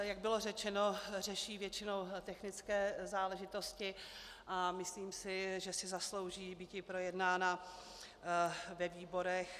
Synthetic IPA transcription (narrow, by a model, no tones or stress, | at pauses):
jaɡ̚bɪlo̞rɛt͡ʃɛno̞r̝ɛʃiːvjɛt͡ʃɪno̞wt̪ɛxnɪt͡skɛːzaːlɛʒɪt̪o̞scɪ | ʔamɪsliːmsɪʒɛsɪzaslo̞wʒiːbiːc̪ɪpɾo̞jɛdnaːna | vɛviːbo̞ɾɛx